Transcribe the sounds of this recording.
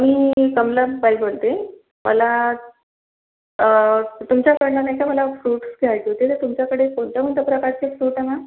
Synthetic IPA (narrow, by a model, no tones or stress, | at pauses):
amiːkəmlabajbolt̪e | mə̰la | t̪umt͡ɕjakəɾɳanajkaməlafɾuːʈsɡʱeaʈ̪iɦot̪et̪əɾt̪umt͡ɕjakəɽekoɳt͡ɕjam̤ənt̪əpɾəkaɾt͡ɕefɾuːʈama